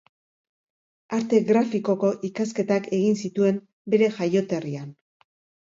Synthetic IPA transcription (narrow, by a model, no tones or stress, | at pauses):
aɾt̪e̞ɣɾafiko̞ko̞ʔikaske̞t̪ake̞ɣinsit̪ue̞m | be̞ɾe̞ʝajo̞t̪e̞rian